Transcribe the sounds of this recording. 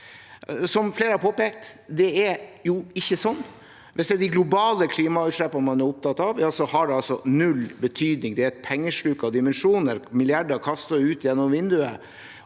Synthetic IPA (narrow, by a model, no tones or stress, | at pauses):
sɔmfleːɾəhɑɾpʰoːpeːk̚t̪ | d̪ɛɛɾjʊɪçːəsɔnː | ʋʔɛsd̪ɛd̪ɪɡlʊbɑːləkʰliːmɑʉːt̪ʂɭɛpːɑnəmɑnæɾʊp̚t̪ʰɑt̪ːɑʋjɑːsɔhɑɖɛɑlsɔnʉlbət̪ʰyːd̪nɪŋd̪ɛpʰɛŋːəʂɭʉkːɑd̪ɪmɛnʂuːnəɾmɪlɪɑɖəɾkʰɑst̪ɑʉːt̪jɛnːɔmʋɪnd̪ʉə